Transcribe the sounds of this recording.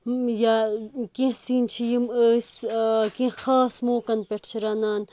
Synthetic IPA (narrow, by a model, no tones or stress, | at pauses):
jakẽsiːnt͡ʃʰijiməːskẽxaːsmoːkɐnpeʈʰt͡ʃʰiɾaːnaːn